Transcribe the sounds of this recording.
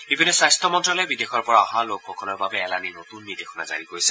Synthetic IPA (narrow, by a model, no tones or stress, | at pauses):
bibʱinːɔsajstʰɔmɔntɹɔlɔɛbidexɔɹpɔɹaɔɦalokxɔkɔlɔɹbabɛɛlaninotunbidexʰɔna̰za̰ɹikoɹijsɛ̥